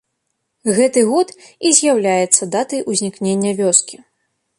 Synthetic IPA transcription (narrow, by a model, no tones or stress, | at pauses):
ɣɛt̪ɨɣɔt̪ | izʲjawlʲajɛt̪sːɐd̪at̪ɐjʔuzʲnʲiknʲenʲːɐvʲɔskʲi